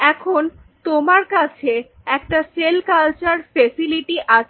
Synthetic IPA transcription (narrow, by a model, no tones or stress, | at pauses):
ɛkʰon | t̪omaɾkat͡ɕʰe | ɛkʈaʃelkalt͡ɕaɾfesiliʈiʔat͡ɕʰ